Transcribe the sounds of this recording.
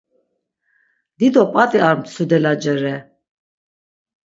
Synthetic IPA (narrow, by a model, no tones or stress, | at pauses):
d̪id̪ɔpʼat̪ʼiaɾmsud̪ɛlad͡ʒɛɾɛ